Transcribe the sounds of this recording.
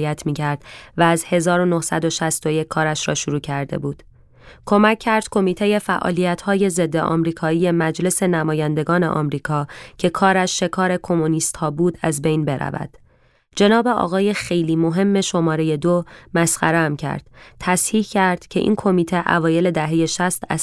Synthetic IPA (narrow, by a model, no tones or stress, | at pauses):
jæt̪ʰmiːcʰæɾd̪̥væːzhe̞zɒːɾo̞no̞hsæd̪oʃæst̪o̞jecʰkʰːɒːɾæʃɾɒ̰ːʃuɾuːcʰæɾd̪e̞̰buːd̪̥ | kʰo̞mæcʰːæɾd̪̥kʰo̞miːt̪ʰeje̞fæʔɒ̰ːliːjæt̪ʰhɒːje̞ze̞d̪ːeʔɒ̰mɾiːkʰɒːiːje̞mæd͡ʒle̞se̞næmɒːjænd̪e̞ɡɒːne̞̰ʔɒ̰mɾiːkʰɒːcʰe̞kʰɒːɾæʃːe̞kʰɒːɾe̞kʰo̞moniːst̪hɒːbuːd̪æzbe̞jnbe̞ɾæ̰væ̰d̪̥ | d͡ʒe̞nɒːbe̞ɒ̰ːɣɒːje̞xe̞jliːmo̞ɦe̞mːe̞ʃo̞mɒːɾe̞je̞d̪omæsχæɾeæmcʰæ̰ɾd̪̥t̪ʰæshiːhcæɾd̪̥cʰe̞ʔḭːnkʰo̞miːt̪ʰe̞ʔæ̰vɒːje̞le̞d̪æɦe̞je̞ʃæst̪æ̰